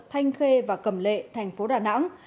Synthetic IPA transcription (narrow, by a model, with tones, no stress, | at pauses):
t̪ʰa˧jŋ̟xe˧vaː˨˩kə˧˩mlḛ˧˨t̪ʰɛ˨˩jŋ̟fo˨˦ɗaː˨˩na̰˧˥ŋ